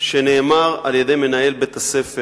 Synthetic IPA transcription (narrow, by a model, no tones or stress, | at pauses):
ʃene̞ːmaʁaljed̪ejme̞naje̞lbet̪asefe